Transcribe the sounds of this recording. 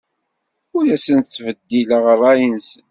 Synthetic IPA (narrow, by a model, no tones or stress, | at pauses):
ʊɾæsənt͡sːvəd̪ːiləʁərˤːɑjənsən